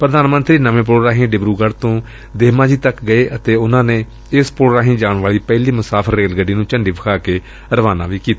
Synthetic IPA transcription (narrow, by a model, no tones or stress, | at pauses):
pɾəd̪aːnmə̃nt̪ɾiːnəmẽːp̬ɾoːɾaːɦĩːɖɪbɾuːɡəɽt̪õː | d̪eːmãːd͡ʒiːt̪əkɡəeːʔət̪eːʊnãːneː | ɪspɾoːɾaːɦĩːd͡ʒaːɳʋaːɭiːpɛːliːmʊsaːpʰəɾːeːlɡəɖiːnũːt͡ʃəɳɖiːbəkʰaːkeː | ɾəʋaːnã̰ːʋiːkiːt̪a